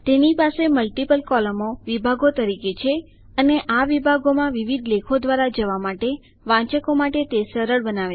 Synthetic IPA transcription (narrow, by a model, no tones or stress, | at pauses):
t̪enipaseməlʈipəlkɔləmoʋibʱaɡot̪əɾiket͡ʃʰe | əneʔaʋibʱaɡomãʋiʋid̪ʱlekʰod̪ʋaɾad͡ʒəʋamaʈe | ʋãt͡ʃəkomaʈet̪esəɾəɭbənaʋe